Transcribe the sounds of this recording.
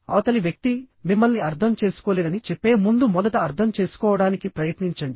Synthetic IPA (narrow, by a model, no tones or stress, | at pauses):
ɐ̰ʋɐt̪ɐliʋjɐk̚t̪imimːɐlniɐɾt̪ʰɐmt͡ʃe̞ːsu̥koːleːd̪ɐnit͡ʃɛpːe̞ːmund̪umɔd̪ɐt̪ɐːɾt̪ʰɐmt͡ʃe̞ːsu̥kɔːʋɐɽaːnikipɾɐjɐt̪niɲt͡ʃɐɳɖi